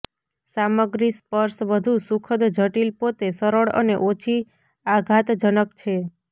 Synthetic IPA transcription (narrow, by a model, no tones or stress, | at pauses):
saməɡɾispəɾsʋəd̪ʱusukʰəd̪d͡ʒʱəʈilpot̪esəɾəɭə̰nḛʔot͡ʃʰi | aɡʱat̪d͡ʒənəkt͡ʃʰe